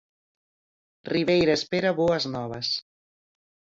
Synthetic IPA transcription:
riβejɾɐespeɾaβoɐznɔβ̞ɐs

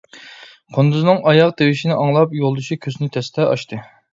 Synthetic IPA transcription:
qʰond̪uznɨŋʔɑjɑq̚d̪ewɪʃinɪʔɑŋlˠɑpjolˠd̪uʃikʲʰøsnɪt̪ʰɛst̪ʰɛɑ̰ʃt̪ɨ

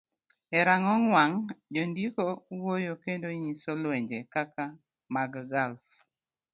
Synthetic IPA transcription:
ɛɾaŋɔŋwaŋd͡ʒondikowojokendoɲisolweɲd͡ʒekaka | maɡɡalf

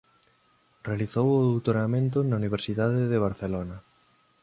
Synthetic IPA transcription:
realiθowʊðowt̪oɾamẽnt̪ʊnauniβ̞eɾsiðaðɪðeβ̞aɾθelonɐ

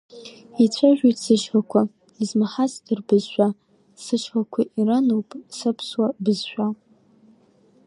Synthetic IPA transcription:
it͡ɕʷʰaʒᶣʷitʼsɨʃχakʷʰa | izmaħasirbɨzʃʷᶣa | sɨʃħakʷʰiʔiɾanowpʼsɨpʰswabɨzʃʷᶣa

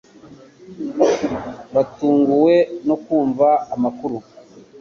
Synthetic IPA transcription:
βatuːŋɡuwe̞no̞kuːɱvaːmakuɾu

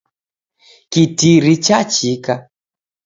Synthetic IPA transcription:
kitiɾit͡ʃat͡ʃika

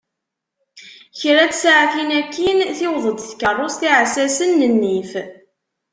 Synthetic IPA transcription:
çɾæt͡ssʕaθinækːinθɪwðˤəd̪θkərˤːost̪iʕsæsənːənːif

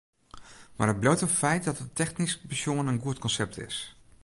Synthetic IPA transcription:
maːrɦəd̚blowtəfɛjt̚dɔtətʰɛxnisbəsjoŋənənɡuətkɔnsɛp̚tʰɪ̰s

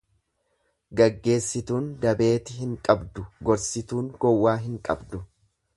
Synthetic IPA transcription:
ɡɐɡːe̞ːsːɪt̪uːnd̪ɐbe̞ːt̪ɪɦɪŋkʼɐbd̪ʊɡɔɾsɪt̪uːŋɡɔwːaːɦɪŋkʼɐ̰bd̪ʊ

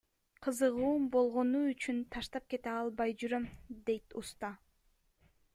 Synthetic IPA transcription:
qʰɯzɯʁuːmbo̞lˠʁo̞nuyt͡ʃynt̪ʰɑʃt̪ɑp̚ke̞t̪eɑlˠbɑjd͡ʒyɾømd̪e̞jt̪ust̪ɑ

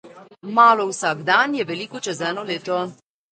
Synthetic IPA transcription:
maːlɔwsaɡd̪anjɛʋɛliːkɔt͡ʃɛzɛːnɔleːt̪ɔ

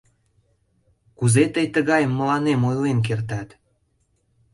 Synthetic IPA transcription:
kuzet̪əjt̪əɣɑjəmːəlɑnemojlenk̬ert̪ɑt̪

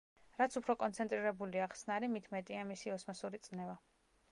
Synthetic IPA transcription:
ɾat̪sʰupʰɾɔkʼɔnt̪sʰɛnt̪ʼɾiɾɛbuliaχsnaɾimit̪ʰmɛt̪ʼiamisiɔsmasuɾit̪sʼnɛva

